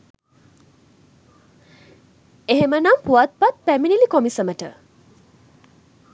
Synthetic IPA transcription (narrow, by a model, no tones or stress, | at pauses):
eɦemənampuʋat̪̚pat̪̚pæminilikomisəməʈə̰